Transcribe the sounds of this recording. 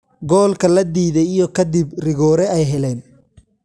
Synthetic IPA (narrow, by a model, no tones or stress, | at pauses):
ɡɔːlkʰɐlɐd̪iːðɛjijɔkʰɐd̪ɪbrɪɣɔːɾɛɛjɦɛlɛːn